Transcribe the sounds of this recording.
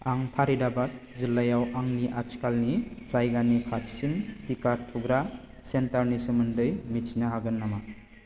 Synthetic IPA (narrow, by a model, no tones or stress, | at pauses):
aŋpʰaɾidabat̚ | zilːajawaŋniʔat͡ʃkalnizajɡanikʰatsintikatʰːuɡɾa | sentaɾnisumɯndɯjmit͡ʃʰinaɦaɡɯnːama